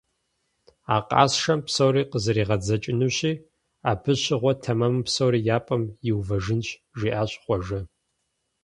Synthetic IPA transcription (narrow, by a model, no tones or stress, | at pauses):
aːqʼɑ̰ːsʂɐmpsowɾiːqəzɐɾiːʁɐd͡zɐt͡ʃʼɪnuːɕʼiː | aːpʰɨɕɪʁʷɔtʰɐmɐmɨpsowɾiːjaːpʼɐmjɪwvɐʒɨnʃʒiːʔaːɕʼχʷɔʒɐ